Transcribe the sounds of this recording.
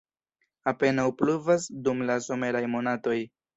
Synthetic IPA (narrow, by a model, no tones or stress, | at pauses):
ape̞nawpluvasdumlaso̞me̞ɾajmo̞nato̞j